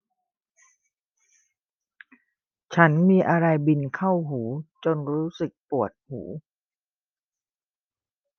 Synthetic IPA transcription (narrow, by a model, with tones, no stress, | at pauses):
t͡ɕʰa˦˥nmiː˧ʔa˧ɾa˧jbi˧nkʰa˥˩wɦuː˩˦t͡ɕo˧nɾuː˦˥sɯ˨˩k̚pu˨˩ət̪̚hṵː˩˦